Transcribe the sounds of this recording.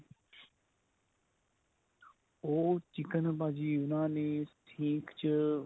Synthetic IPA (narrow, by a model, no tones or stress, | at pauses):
oːt͡ʃɪkənbaːd͡ʒiːʊnãːneːst̪ʰĩːkʰt͡ʃə